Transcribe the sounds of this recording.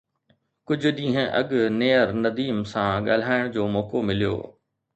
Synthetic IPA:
kʊd͡ʑʱʊ̆ɗĩːɦə̃ʔɐɠneːəɾnɐd̪iːmsãɠa̰ːl̤aːɪɽ̃d͡ʑoːmɔːkomɪlijo̰ː

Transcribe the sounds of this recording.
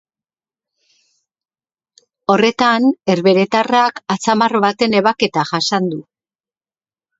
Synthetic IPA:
o̞re̞t̪ane̞ɾβe̞ɾe̞t̪arakat͡samarβat̪e̞ne̞βake̞t̪aʝasand̪u

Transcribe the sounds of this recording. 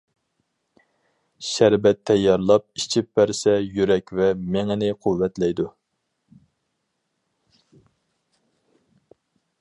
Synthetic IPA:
ʃæɾbɛt̪ʰːɛjːɑɾlˠɑp̚it͡ʃʰipːæɾsɛjyɾɛkʲvɛmɪŋɛnɪqʰuwːɛt̪lɛjd̪u

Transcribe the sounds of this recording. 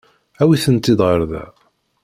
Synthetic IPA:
æwiθənt̪ːid̪ʁəɾˤðæ̰

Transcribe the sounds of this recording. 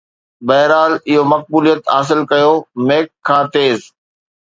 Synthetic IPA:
bɐɦɾaːlɪɦomɐk̚buːlijət̪ɦaːs̬ɪlkɐjomeːkʰːãːt̪eːz

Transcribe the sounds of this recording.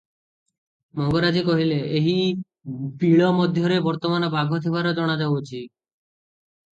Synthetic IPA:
mɔŋɡɔɾad͡ʒikɔɦileeɦi | biɭɔmɔd̪ʱjɔɾebɔɾt̪ɔmanɔbaɡʱɔt̪ʰibʱaɾɔd͡ʒɔɽ̃ad͡ʒabot͡ʃʰi

